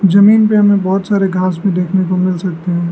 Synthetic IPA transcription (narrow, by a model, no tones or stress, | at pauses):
d͡ʒɐmiːnpeɦɐmẽbɔːt̪saːɾeɡʱaːsmẽd̪eːkʰnekomɪlsɐk̚t̪eɦũː